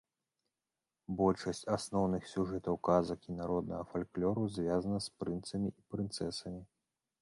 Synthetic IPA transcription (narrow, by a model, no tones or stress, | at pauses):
bɔlʲʂɐsʲt͡sʲasnɔwnɨxsʲuʐɛt̪ɐwkazɐkʲinaɾɔd̪nɐɣɐfalʲklʲɔɾuzʲvʲjazɐnɐspɾɨnt̪sɐmʲiʔipɾɨnt̪sɛsɐmʲi